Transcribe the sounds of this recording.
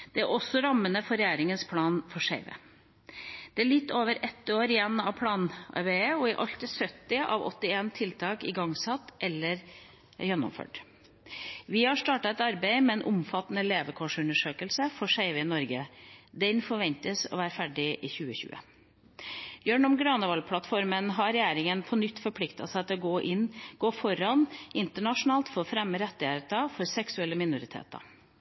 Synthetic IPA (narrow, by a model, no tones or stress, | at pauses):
d̪̥ɛæɾɔsːɔɾɑmːənəfɔɾɛjæːɾɪŋənspʰlɑːnfɔʂeɪʋə̰ | d̪̥ɛæɭɪt̪ːoːʋəɾʔɛt̪ːoːɾɪjɛnːɑʋpʰlɑːnʔɑ̰ɾbeːəɔɪʔɑlt̪əsœt̪ːɪʔɑ̰ʋɔ̰t̪ːɪeːnt̪ʰɪlt̪ʰɑːkɪɡɑŋsɑt̪ːʔɛlːəɾ | jɛnːʊ̰mfø̰ːʈ | ʋɪhɑʂt̪ɑːʈɑɛt̪ɑɾbæɪmɛɛnʔʊmfɑt̪ːnəleːʋəkʰɔʂʉnəʂøːkəlsəfɔʂæɪʋəɪnɔɾɡəd̪ɛnfɔɾʋɛnt̪əsɔ̰ːʋæːɾəfæɖɪʔɪːçʉːəçʉ̰ːə̰ | bjøːɳɔmɡɾɑnəʋɑlpʰlɑt̪fɔɾmənɦɑɾɛjæːɾɪŋənpʰɔnʏt̪ːfɔɾpʰlɪkt̪ɑ̰sæɪt̪ʰɔɡoːʔɪnːɡ̥oːfɔɾɑnɪnt̪əɳɑʂʊnɑːlt̪fɔɾɔfɾɛmːəɾɛt̪ːɪheːt̪ɑfɔɾsɛksʉɛlːəmɪnʊɾɪt̪ʰḛːt̪ɑ̰